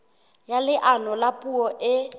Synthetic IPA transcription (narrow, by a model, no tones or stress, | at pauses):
jalɪʔanɔlapʼuɔʔɪ